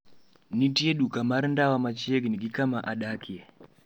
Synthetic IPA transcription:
nitieɗukamaɾindawamat͡ʃieɡiniɡikamaʔaɗakie

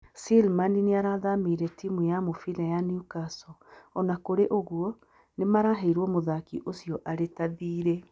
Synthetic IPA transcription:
silmanineaɾaðamiɾɛtimujamofilɛjanijukasɔɔnakoɾeʔoɣwɔ | nemaɾaɦɛiɾwɔmoðakiʔosijɔʔaɾetaðiːɾɛ

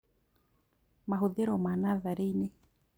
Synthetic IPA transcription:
maɦuðeɾomanaðaɾeine

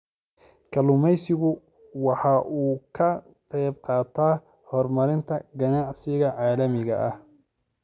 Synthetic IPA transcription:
kʰɐlʊmɛjsɪɣʊ | wɑħɑʔuːkʰɐ | tɛːbqɑːt̪ʰaː | hɔrmɐɾɪnt̪ʰɐɡɐnɑʕsɪɣɐʕɑːlɐmɪɣɐ̰ʔɐh

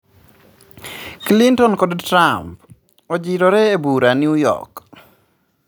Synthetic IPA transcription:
klintɔnkodtɾamp̚ | od͡ʒiɾoɾɛebuɾanjujɔ̰k

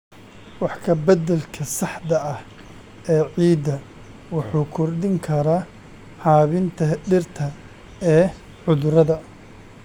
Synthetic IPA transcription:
wɑħkʰɐbɐd̪ɛlkʰɐsɑħd̪ɐʔɐh | ʔɛːʕiːd̪ɐ | wɑħuːkʰɔrd̪ɪŋkʰɐɾaː | haːβɪnt̪ʰɐɖɪrt̪ʰɐ | ɛː | ʕʊðɾɐðɐ

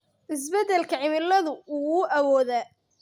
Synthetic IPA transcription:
ʔɪs̬bɛd̪ɛlkʰɐʕɪmɪlːɐðʊʊɣuʔɐwɔːðaː

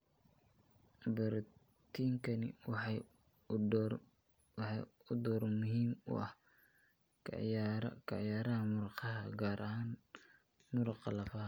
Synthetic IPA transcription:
bɐɾ | t̪ʰiːŋkʰɐnɪ̰w | wɑħɑʊd̪ɔːɾmʊɦiːmʊ̰ʔɐ̰h | kʰɑʕjaːɾɐhɐmʊɾqɑɦɐɡaːɾʔɐhaːn | mʊɾɑqɑlɐfɐɦɐ

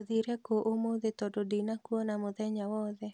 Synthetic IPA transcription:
ðiɾɛkoʔomoðet̪ɔdodinakwɔnamʊðɛɲawɔðɛ

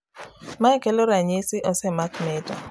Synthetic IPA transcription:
maɛkɛlɔɾaɲesiʔɔsɛmakmɛtɔ

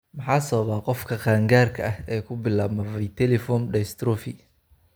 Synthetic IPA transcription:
mɑħɑːsɔβaːqɔfkʰɐqaːŋɡaːrkʰɐʔɐhɛːkʰʊbɪlaːbmɐβɛjt̪ʰɛlɛfɔːnɖɛst̪ɾɔfɪ

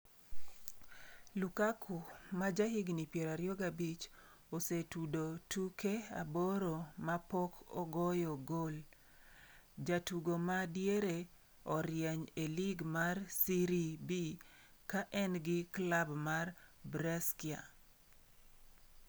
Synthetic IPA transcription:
lukakʰʊmad͡ʒaɦiɡnipjɛɾaɾjoɡabit͡ʃosetudotukʰea̰boɾomapɔkʰɔɡɔjɔɡol | d͡ʒatuɡomadjeɾe | ɔɾjɛɲeliɡmarsiɾibi | kaʔɛnɡɪklabmarbɾɛskɪa̰

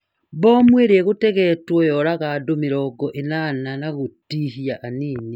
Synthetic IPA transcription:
bɔmweɾeɛɣotɛɣɛtwɔjɔɾaɣadomeɾɔɡɔʔenananaɣotiɦiaʔaniːni

